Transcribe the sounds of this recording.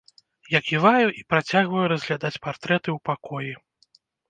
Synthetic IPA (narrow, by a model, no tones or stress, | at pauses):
jakʲivajuʔipɾat͡sʲaɣvɐjuɾɐzʲɣlʲad̪at͡sʲpart̪ɾɛt̪ɨwpakɔji